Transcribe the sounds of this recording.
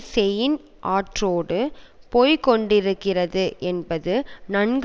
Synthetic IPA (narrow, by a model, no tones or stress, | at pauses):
sɛjɪn | ʔaːʈroːɽɯpoːjkɔɳɖɪɾɯkːɪrɐðɯʔɛnbɐðɯnɐnɡ